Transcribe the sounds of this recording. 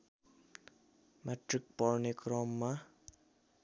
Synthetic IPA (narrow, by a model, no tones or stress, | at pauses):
meʈrik̚pɔrnekrɔmːa